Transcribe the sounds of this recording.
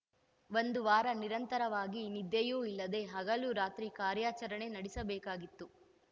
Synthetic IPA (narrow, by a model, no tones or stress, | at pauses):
ʋond̪uʋaːɾɐniɾɐnt̪ɐɾɐʋaːɡinid̪jɐjuːilːɐd̪e̞ɦɐɡɐluɾaːt̪ɾikaːɾjaːt͡ʃɐɾɐɳe̞nɐɽisɐbɛːkaːɡit̪ːu